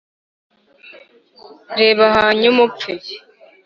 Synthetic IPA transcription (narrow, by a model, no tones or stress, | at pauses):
ɾeːβaɦaɲumup͡fi